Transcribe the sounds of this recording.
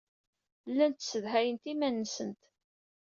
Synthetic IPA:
lːænt̪səðɦæjənt̪imænːəsənt̪

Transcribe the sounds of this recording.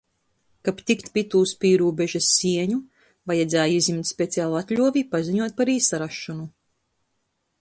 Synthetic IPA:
kapt̪ikt̪pʲit̪uːspiːɾuːbɛʒasːiɛɲu | vajad̪zaːjizimt̪ʲspʲet̪sʲijaːlˠat̪lʲuɔvipaziɲuɔt̪̚paɾiːsaɾaʃːɔnu

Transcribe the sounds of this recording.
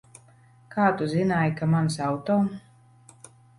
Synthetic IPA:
kaːt̪uzinaːjkamansawt̪ɔw

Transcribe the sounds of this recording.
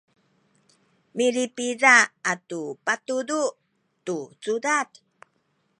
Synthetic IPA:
miɾipiɾaːtupatudu | tut͡sudat

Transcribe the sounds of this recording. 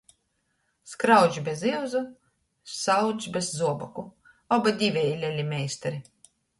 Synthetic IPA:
skɾawd͡ʒbʲeziɛwzu | sawd͡ʒʲbʲezːuɔbɔku | ɔbad̪ʲivʲɛilʲɛlʲimʲɛjsʲt̪aɾi

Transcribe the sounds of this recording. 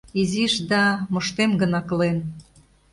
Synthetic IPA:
iziʃd̪ɑmŏʃt̪emɡə̆nɑklen

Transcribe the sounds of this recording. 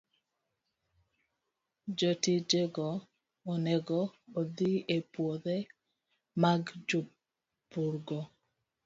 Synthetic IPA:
d͡ʒotid͡ʒeɡɔː | nɛɡɔːd̪iepwod̪e | maɡd͡ʒo | puɾɡɔ

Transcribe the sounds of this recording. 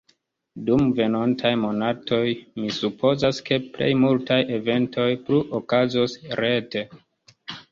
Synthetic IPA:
dumve̞nontʰajmo̞natʰo̞jmisupʰo̞zaske̞ple̞̰jmultajʔe̞ve̞ntʰo̞jpluʔokazosɾe̞te̞

